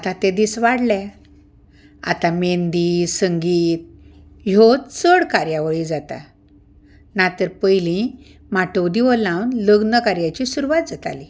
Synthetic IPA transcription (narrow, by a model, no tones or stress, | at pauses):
at̪ãt̪ed̪isʋaɽlɛ̃ | a̰t̪amend̪iːsəŋɡiːt̪̚ | jot̪t͡səɽkaɾjaʋəɭid͡zat̪a̰ | nat̪əɾpəjlĩ | maʈowd̪iʋəlãwnləɡnəkaɾjat͡ɕisuɾuʋat̪̚d͡zat̪a̰li